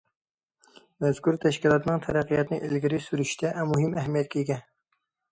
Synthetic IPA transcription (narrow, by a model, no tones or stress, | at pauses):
mɛz̥kuɾt̪ʰɛʃkʲilˠɑt̪nɨŋt̪ʰæɾæqʰːɨjɑt̪ɨnɨʔilɡʲɪɾɪsyɾyʃt̪ʰɛʔɛmuɦɪmɛɦmijɛt̪̚kʲiɡʲɛ